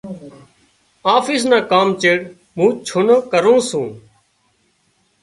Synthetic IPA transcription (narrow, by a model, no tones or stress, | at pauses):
aːfiːs̬nãːkaːmt͡ʃeːɽ | mũːt͡ʃʰʊnokəɾõːsũː